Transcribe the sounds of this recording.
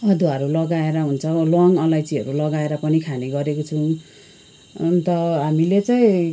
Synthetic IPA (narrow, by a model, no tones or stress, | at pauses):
ʌd̪ʱwʌɾulʌɡaeɾʌɦunt͡sʰʌlʌŋʌlajtiɦʌɾulʌɡaeɾʌpʌnikʰaneɡʌɾekot͡sʰũ | t̪ʌɦamilet͡saĩ